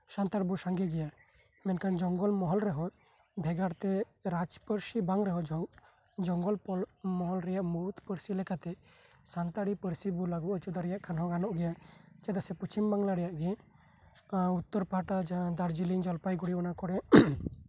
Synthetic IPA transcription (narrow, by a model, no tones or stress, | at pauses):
sant̪aɾbusaŋɡɛɡɛja | mɛnkand͡ʒɔŋɡɔlmɔɦɔlɾɛɦɔ̃ | bʱɛɡaɾt̪ɛ | ɾad͡ʒpəɾsibaŋɾɛɦɔd͡ʒɔ | d͡ʒɔŋɡɔlpɔmɔɦɔlɾɛjaʔmuut̪pəɾsilɛkat̪ɛ | sant̪aɽipəɾsibulaɡuʔɔt͡ʃud̪aɾɛjaʔkʰanɦɔ̃ɡanɔʔɡɛjat͡ʃɛd̪asɛput͡ʃʰimbaŋlaɾɛjaʔɡɛ | ut̪ːɔɾpaʈad͡ʒad̪aɾd͡ʒilind͡ʒɔlpajɡuɽiɔnakɔɽɛ